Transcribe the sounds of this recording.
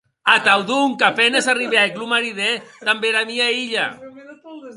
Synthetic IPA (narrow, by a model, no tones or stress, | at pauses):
at̪awðuŋkapɛnezariβeaeklumaɾiðet̪ambeɾamiaiʎa̰